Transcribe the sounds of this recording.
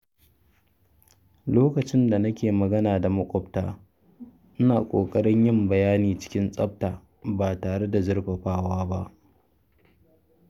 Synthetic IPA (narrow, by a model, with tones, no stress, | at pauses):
loː˦kɐ˨t͡ʃɪ˦nda˨nɐ˦kʲeː˨mɐ˨ɡɐ˦naː˨da˨mɐ˦kʷʼɔ˦˨bta̰ː˦ | ʔɪ˦naː˨kʷʼoː˨kʼɐ˦ɽɪ˦ɲjɪ˦mbɐ˨jaː˦niː˨t͡ʃɪ̥˦kʲɪ˦nsʼɐ˦p̚taː˨ | baː˨taː˨ɽe˦da˨zɐ˦ɽɸɐ˨ɸaː˦waː˦ba˦ʔ